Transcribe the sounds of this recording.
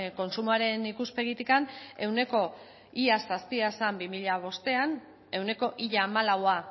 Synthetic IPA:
ko̞nsumuaɾe̞nikuspe̞ɣ̞it̪ikane̞wne̞ko̞ | iasaspiasambimiʎaβ̞o̞st̪e̞an | e̞wne̞ko̞ʔiʎaːmalawa

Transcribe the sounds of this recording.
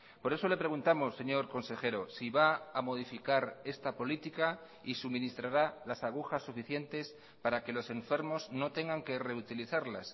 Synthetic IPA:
po̞ɾe̞so̞le̞pɾe̞ɣunt̪amo̞sːe̞ɲo̞ɾko̞nse̞xe̞ɾo̞siβaamo̞ð̞ifikaɾe̞st̪apo̞lit̪ika | isumĩnist̪ɾaɾalasaɣ̞uxasːufiθje̞nt̪e̞s | paɾake̞lo̞se̞ɱfe̞ɾmo̞zno̞t̪e̞ŋɡaŋke̞re̞ut̪iliθaɾlas

